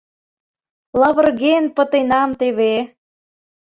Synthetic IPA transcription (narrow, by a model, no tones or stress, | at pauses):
lɑβə̆rɣenpə̆t̪enɑmt̪eβe